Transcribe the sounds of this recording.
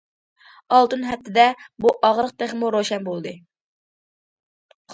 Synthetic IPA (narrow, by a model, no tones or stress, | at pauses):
ɑlˠt̪ɨnɦɛf̚t̪ʰɪd̪ɛbuʔɑʁɾəq̚t̪eχmuɾoʃɛnbolˠd̪ɨ